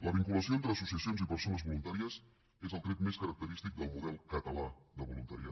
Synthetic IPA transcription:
ləβ̞iŋkuləsioent̪ɾəːsusiəsionzipəɾsonəzβulunt̪aɾiəs | ezəlˠt̪ɾet̪meskəɾək̚t̪əɾist̪ik̚d̪əlˠmuðɛlˠkət̪əlaðəβulunt̪əɾḭa

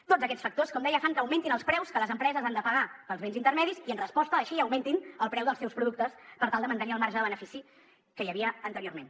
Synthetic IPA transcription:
t̪od͡zzəkɛsfək̚t̪oskɔmd̪ɛjəfaŋkəwment̪inəlˠspɾɛwskələzəmpɾɛzəzand̪əpəɣapəlˠzβenzint̪əɾmɛðisiənrəspɔst̪əːʃiəwment̪inəlˠpɾɛwðəlˠsɛwspɾuðuk̚t̪əspəɾt̪alˠd̪əmənt̪əniəlˠmaɾʒəðəβənəfisi | kəjəβiəənt̪əɾioɾmen

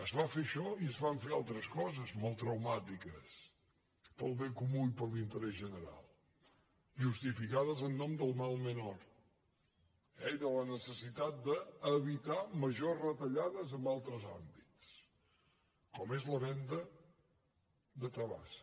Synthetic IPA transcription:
əzβafeʃɔiəzβaɱfealˠt̪ɾəskɔzəzmɔlˠt̪ɾəwmat̪ikə̰s | pəlˠβeŋkumuipəɾlint̪əɾɛzʒənəɾa̰lˠ | ʒust̪ifikaðəzənːɔmd̪əlˠmalˠmənɔɾ | ɛiðələnəsəsit̪at̪̚d̪əːβit̪aməʒorət̪əʎaðəzəmbalˠt̪ɾəza̰mbitt͡s | kɔmezləβɛnd̪ə | d̪ət̪ɾəβa̰s

